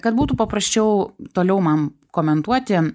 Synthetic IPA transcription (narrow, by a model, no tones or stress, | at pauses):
kɐt̪buːt̪uːpɐpɾɐsʲt͡ʃʲɛʊt̪oːlʲɛʊmɐnkoːmʲɛnt̪uɔt̪ʲɪ